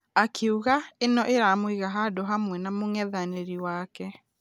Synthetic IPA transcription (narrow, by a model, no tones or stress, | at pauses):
akʰeuɣaenɔʔeɾamwiɣaɦadoɦamwɛnamoŋɛðaneɾiwaːkɛ